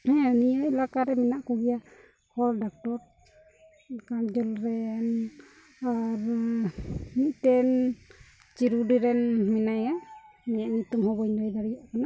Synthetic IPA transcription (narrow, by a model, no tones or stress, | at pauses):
hɛ̃nijɔjlakaɾɛminaʔkuɡija | hɔldak̚tɔɾ | kand͡ʒɔlɾɛn | aɾ | niʔtɛn | t͡ʃiɾuɖiɾɛnminajamɛjaʔnit̪umɦɔbɔjɲlɔjd̪aɾijaʔkana